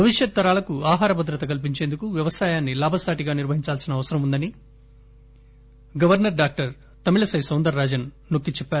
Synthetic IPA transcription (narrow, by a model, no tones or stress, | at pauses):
bʱɐʋiʂjɐt̪̚t̪ːɐɾaːlɐkuaːɦaːɾɐbʱɐd̪ɾɐt̪ɐkɐlp̬iɲt͡ʃe̞ːnd̪ukuʋjɐʋɐsaːjaːnːilaːbʱɐsaːʈiɡaːniɾʋɐɦiɲt͡ʃaːlsinɐʋɐsɐɾɐmund̪ɐni | ɡɐʋɐɾnɐɾɖaːk̚ʈɐɾ | t̪ɐmilɐsɐjsɐːnd̪ɐɾːaːd͡ʒɐnːokːit͡ʃɛpːaːɾu